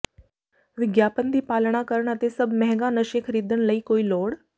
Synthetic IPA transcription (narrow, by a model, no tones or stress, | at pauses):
ʋɪɡjaːpənd̪iːpaːlɳ̃aːkəɾəɳət̪eːsəbmɛɦɡãːnəʃẽːkʰəɾiːd̪əɳləiːkoːiːloːɽ